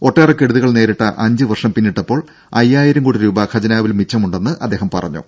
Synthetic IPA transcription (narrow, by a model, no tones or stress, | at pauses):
o̞ʈːeːrekːe̞ɽuðuɣɐɭne̞ːɾiʈːɐ̰ʔɐɲd͡ʑɨʋɐrʂɐmpinːiʈːɐpːo̞ːɭ | ɐjːaːjɐɾɐmkoɽiɾuːbɐkʰɐd͡ʑɐnaːʋilmit͡ɕːɐmuɳɖe̞nːɨʔɐd̪ːeːɦɐmpɐ̰rɐ̰ɲːṵ